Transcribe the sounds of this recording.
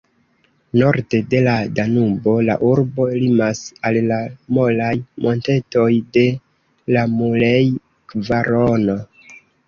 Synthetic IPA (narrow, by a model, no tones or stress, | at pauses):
no̞ɾde̞de̞ladanubo̞la̰ʔuɾbo̞elimasallamolajmʔo̞nte̞to̞jde̞ | lamulej | kvaɾono̞